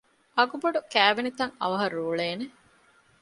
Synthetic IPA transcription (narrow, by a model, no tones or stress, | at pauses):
ʔɐɡuboɖukæːʋenit̪ɐŋɐ̰ʋɐɦɐɾuːɭeːne